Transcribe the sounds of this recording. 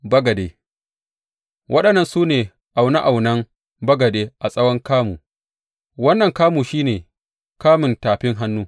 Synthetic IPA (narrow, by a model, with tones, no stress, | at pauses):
bɐ˦ɡɐ˨deː˨ | wʔɐ˦ɗɐ˨nːɐ˨nsuː˦neː˨ | ʔa˨wna˦ʔa˨wnɐ˦ŋ | bɐ˦ɡɐ˨deː˦ʔa˨sʼɐ˦wɔ˦ŋkaː˦muː˨ | wɐ˦nːɐ˨ŋkaː˦muː˨ʃiː˦neː˨ | kaː˦mɪ˨ntaː˨ɸɪ˦ŋɦa˦nːuː˦